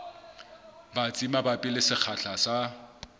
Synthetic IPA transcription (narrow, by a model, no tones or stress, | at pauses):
bat͡sʼimabapʼilɪsɪk͡xʰaɬʰasa